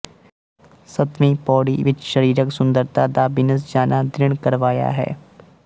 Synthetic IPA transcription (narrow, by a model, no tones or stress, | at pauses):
sɐt̪mipɔːɽiʋɪt͡ʃʃɐɾiːɾəksʊ̃nd̪əɾt̪ʰad̪abɪnəs̬d͡ʒaːnʔad̪ɾɪɳ̃kɐɾʋaːja̰ɦɛ̰ː